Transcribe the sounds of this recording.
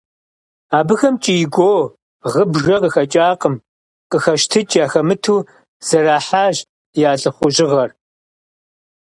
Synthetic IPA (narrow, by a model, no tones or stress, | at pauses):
aːbɨxɐmt͡ʃʼiɪɡʷoː | ʁəbʒɐqəxɐt͡ʃʼaːqəm | qəxɐʃtʰɨt͡ʃʼjaːxɐmɨtʰuː | z̥ɐraːħaːʒ | jaːɬʼɨχʷʊʑɪʁɐr